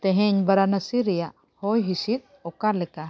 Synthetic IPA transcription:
t̪ɛɦɛ̃ɲbaɾanasiɾɛjaʔ | hɔjɦisit̪̚ɔkalɛka

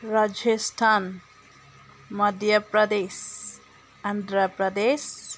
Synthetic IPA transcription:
ɾad͡ʒsʈʰan | mʌd̪ʱjʌpɾʌd̪es | and̪ɾʌpɾʌd̪es

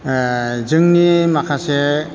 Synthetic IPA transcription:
zɯŋnimakʰase

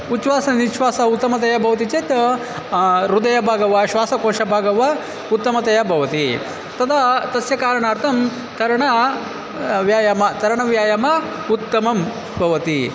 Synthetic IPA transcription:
ut͡ʃʋaːsɐniʃʋaːsɐut̪ːɐmɐt̪̬ɐjɐbʱɐʋɐt̪̬it͡ʃet̪ | ɾud̪ɐjɐbʱaːɡɐʋɐʃʋaːsɐkoːʃɐbʱaːɡɐʋɐ | ut̪ːɐmɐt̪ɐjɐbʱɐʋɐt̪i | t̪ɐd̪ɐt̪ɐsjɐkaːɾɐɳaːɾt̪ʰɐm | t̪ɐɾɐɳɐ | ʋjaːjɐmɐt̪ɐɾɐɳɐʋjaːjɐmɐ | ut̪ːɐmɐm | bʱɐʋɐt̪i

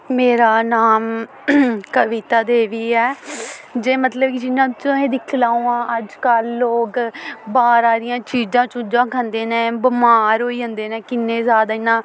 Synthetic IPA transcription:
meːɾaːnaːm | kəʋit̪aːd̪eːʋiːɛː | d͡ʒeːmət̪ləbkɪd͡ʒɪnːãːt͡ʃõẽːd̪ɪkʰlaːũːãːʔəd͡ʒkəlːoːɡbaːɾaːɾɪjãːt͡ʃiːzãːt͡ʃʊ̃d͡ʒãːkʰənd̪eːnẽːbəmaːɾɦoːiːɦə̃nd̪eːnẽːkɪnːeːzjaːd̪aːɪnːãː

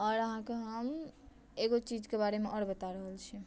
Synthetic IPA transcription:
ɔɾəɦãkeɦəm | eɡot͡ʃid͡ʒkebaɾemeʔɔɾbət̪aɾəɦəlt͡ʃʰi

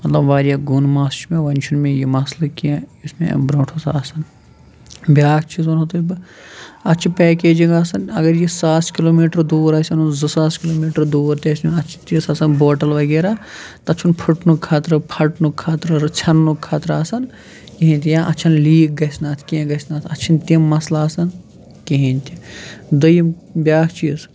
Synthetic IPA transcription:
mɐt̪lɐbʋaːɾijaɡunmaːst͡ʃmẽʋɐnʲt͡ʃʰunmẽjimɐslɐkiẽismḛ̃bɾõːʈʰosaːsɐn | bʲjaːk̚ʰt͡ʃʰizonot̪uib | ɐt͡ʃʰipɛːkeːd͡ʒĩŋɡaːsɐnɐɡɐɾjesaːskiloːmiːʈɐɾd̪uːɾɐːsʲɐnunzɐsaːskiloːmiːʈɐɾd̪uːɾt̪esnunɐt͡ʃʰi̥t̪iːsaːsɐnboːʈɐlʋɐɡeːɾat̪ɐt͡ʃʰunpʰuʈnukʰːaːt̪ɾɨpʰɐʈnukʰːaːt̪ɾɐɾt͡ʃʰɐnːukʰːaːt̪ɾaːsɐn | kiɦĩnʲt̪ʲijãːʔɐt͡ʃʰɐnliːk̚ɡɐsnaːt̪ʰkiẽɡɐsnaːt̪ʰɐt͡ʃʰint̪imːɐslaːsɐn | kiɦinʲt̪ʲid̪ɐjim | bʲaːkʰt͡ʃiːs

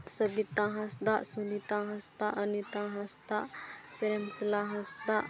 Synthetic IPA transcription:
sɐbit̪ãɦɐsd̪aʔsunit̪ãɦɐst̪aʔɐnit̪ãɦɐst̪aʔpeɾəmslaɦɐsd̪aʔ

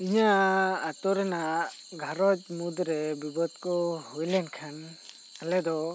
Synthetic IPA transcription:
iɲaːt̪ɔɾɛna | ɡʱaɾɔt͡ʃmud̪ɾɛbibɔd̪̚kɔhɔjlɛnkʰan | alɛd̪ɔ

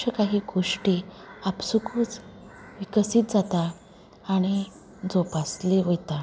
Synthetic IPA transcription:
əkaɦiːɡoʂʈiapsukʰuːt͡s | ʋikəsiːt̪̚d͡zat̪aː | ɽ̃i | d͡zopasliʋəjt̪a

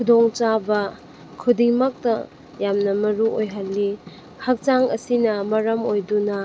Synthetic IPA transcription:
kʰudoŋt͡ʃabɐ | kʰudiŋmɐk̚tɐ | jamnɐmɐɾuʔojɦalːi | hɐk̚t͡ʃaŋɐsinɐmɐɾɐmojdunɐ

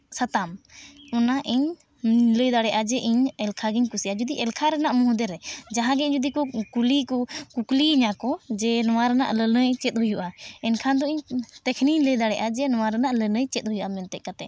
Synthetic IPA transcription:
sat̪amɔnaʔiɲ | ləjd̪aɽɛʔad͡ʒɛʔiɲɛlkʰaɡɛɲkusiʔad͡ʒud̪iʔɛlkʰaɾɛnaʔmɔɦũd̪ɛɾɛd͡ʒaɦãɡɛiɲd͡ʒud̪ikɔkulikɔkukliɲakɔd͡ʒɛnɔwaɾəna̰ʔlənəjt͡ʃɛt̪̚ˀɦujuʔaɛnkʰand̪ɔiɲt̪ɛkʰniɲləjd̪aɽɛʔad͡ʒɛnɔwaɾənaʔlənəjt͡ʃɛt̪̚hujuʔamɛnt̪ɛʔ̚kat̪ɛ

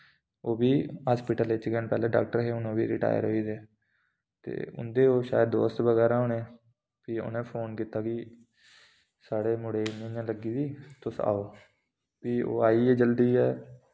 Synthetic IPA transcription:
oːbiːɦaːspɪʈəlɪt͡ʃkɛnpɛːlẽːɖa̰ːk̚ʈəɾɦeːʊnõːbiːɾɪ̰ʈa̰ːjə̰ɾɦoːiːd̪eː | t̪ḛːʊ̰nd̪eːoːʃa̰ːjəd̪o̰ːst̪ʋəɡɛːɾaːɦʊnẽː | piːʊ̰nẽːpʰoːnkiːt̪aːkiː | saːɽeːmʊɽeːnẽjãːləɡiːd̪iːt̪ʊsa̰ːoː | piːo̰ːaːiːɛːd͡ʒəld̪iːɛː

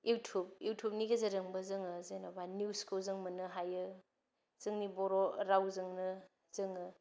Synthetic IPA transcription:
jʔuwtʰub̚juwtʰup̚niɡezɐɾɯŋbɐzɯŋɯzenabanuskozɯŋmɯnɯɦajɯ | z̥ɯŋniboɾoɾawzɯŋnɯ | zɯŋɯ

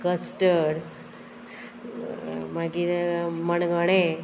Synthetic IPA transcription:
kəsʈəɽ | maɡiməɳɡəɽ̃e

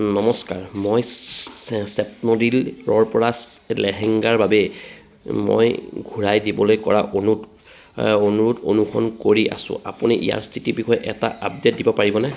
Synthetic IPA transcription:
nɔmɔskaɹmoj | sɛp̚nɔdilɹɔɹpɔɹaslɛɹɛŋɡaɹbabɛ | mo̰jɡʱuɹajdibɔlojkɔɹaʔonut | onuɹuto̰nukʰɔ̰nkoɹiʔa̰sʊ̰̃apuniʔḭja̰ɹstʰitibixʰɔjʔɛta̰ʔap̚det̚dibɔpaɹibɔnɛ

